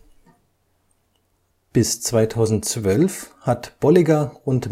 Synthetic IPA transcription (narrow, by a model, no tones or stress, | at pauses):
b̥ɪst͡sv̥aɪtʰaʊzn̩tt͡sv̥œlfhatb̥ɔlɪɡaʊnt